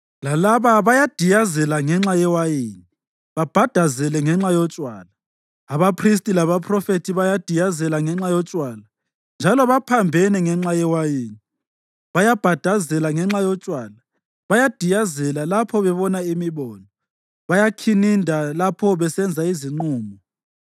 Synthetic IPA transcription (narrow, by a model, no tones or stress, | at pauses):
lalaβaβajad̥ʱijazɛlaŋɛŋ͡ǁajɛwajiːni | βab̥ʱad̥ʱazɛlɛŋɛŋ͡ǁajɔt͡ʃʼwaːlaː | βapʰris̬tʼilaβapʰrɔfetʰiβajad̥ʱijazɛlaŋɛŋ͡ǁajɔt͡ʃʼwaːla | nd͡ʒʱalɔβapʰambʱɛnɛŋɛŋ͡ǁajɛwajiːni | βajab̥ʱad̥ʱazɛlaŋɛŋ͡ǁajɔt͡ʃʼwaːla | βajad̥ʱijazɛlalapʰɔβɛβɔnaimiβɔːnɔ | βajakʰinindʱalapʰɔβɛsɛnd͡zʱaiziŋ͡ǃuːmʱɔ